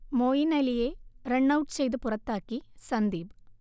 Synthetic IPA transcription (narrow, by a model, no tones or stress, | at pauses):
moːjinɐlijeːɾɛɳːɐwʈt͡ʃejðɯpʊrɐt̪ːaːkːisɐnd̪iːb